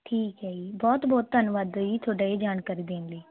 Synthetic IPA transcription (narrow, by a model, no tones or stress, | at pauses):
ʈʰiːkɦɛːiːbɔːt̪bɔːt̪t̪ənʋaːd̪iːt̪ʰoːɖaːeːd͡ʒaːnkaɾiːd̪eːnləː